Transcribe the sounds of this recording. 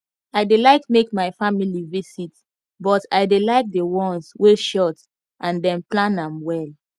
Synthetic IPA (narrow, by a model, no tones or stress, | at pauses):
aɪdelaɪkmekmaɪfamilivisit | bɔtaɪdelaɪk̚dewɔ̃nsweʃɔt | ʔãndɛ̃mplãnãmwɛl